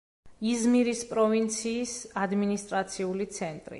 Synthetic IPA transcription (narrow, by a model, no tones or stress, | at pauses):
izmiɾispʼɾɔvint̪sʰiːsad̪minist̪ʼɾat̪sʰiulit̪sʰɛnt̪ʼɾḭ